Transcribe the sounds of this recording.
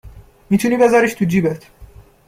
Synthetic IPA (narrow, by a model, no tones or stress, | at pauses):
miːt̪ʰuniːbe̞zaɾiʃt̪ʰud͡ʒiːbet̪ʰ